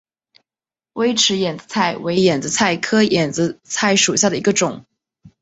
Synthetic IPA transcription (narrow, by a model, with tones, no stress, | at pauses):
we˥ɪʈ͡ʂʰɻ̩˧˥jɛ˨˩nd͡zɹ̩˧˥t͡sʰa˥˩ɪwe˧˥ɪjɛ˨˩nd͡zɹ̩˧˥t͡sʰa˥˩ɪkʰɤ˥jɛ˨˩nd͡zɹ̩˧˥t͡sʰa˥˩ɪʂu˨˩ɕja˥˩d̪ə˩i˧˥ɡə˧ʈ͡ʂʊ˨˩˦ŋ